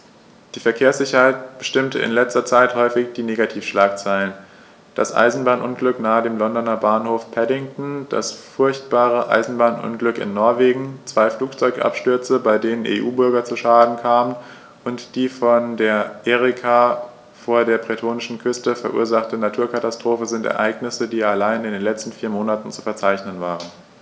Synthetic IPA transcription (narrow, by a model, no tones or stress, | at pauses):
d̥iːfɛɐkʰeːɐsz̥ɪçɐhaɪtb̥əʃtɪmtəɪ̰nlɛt͡stɐt͡saɪthɔʏfɪçd̥iːneːɡatʰiːfʃlaːk̚t͡saɪlən | d̥a̰sʔa̰ɪzn̩baːnʔʊnɡlʏknaːədeːmlɔndɔnɐbaːnhoːfpʰɛdɪŋtn̩d̥a̰sfʊɐçt̚b̥aːʁ̞əʔa̰ɪzn̩baːnʔʊ̰nɡlʏkɪ̰nːɔɐveːɡŋ̩t͡sv̥aɪfluːkt͡sɔʏkʔa̰pʃtʏɐt͡səbaɪdeːnənʔḛːʔuːbʏɐɡɐt͡suʃaːdn̩kʰaːmən | ʔʊntd̥iːfɔndeːɐʔeːʁɪkʰa | foːɐdeːɐpʁ̥etʰoːnɪʃn̩kʰʏstəfɛɐʔṵːɐzaχtənatʰuːɐkʰatastʁ̥oːfəzɪntɛ̰ɐʔaɪɡnɪsədiːalaɪnɪndeːnlɛt͡stn̩fiːɐmoːnatn̩t͡su̥fɛɐt͡saɪçnənvaːʁən